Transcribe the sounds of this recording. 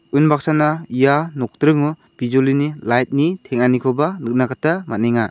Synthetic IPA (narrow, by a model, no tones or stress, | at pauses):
ɯnbak̚sanaijanɔk̚tɾɯŋu | b̥izolinilajt̚nitʰeŋanikʰɔbanɯk̚nakʰatamaniŋa